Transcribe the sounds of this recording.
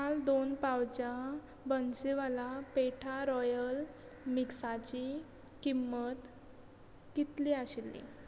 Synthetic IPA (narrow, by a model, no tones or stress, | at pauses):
kald̪onpawt͡ɕa | bənsiʋalapeʈʰaɾɔjəl | miksat͡ɕi | kimːət̪ | kit̪liaɕilːḭ